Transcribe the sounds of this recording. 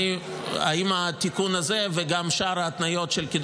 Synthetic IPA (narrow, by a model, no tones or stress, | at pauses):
i | a̰imat̪ikunazeveɡamʃaɾat̪najo̞t̪ʃelkid̪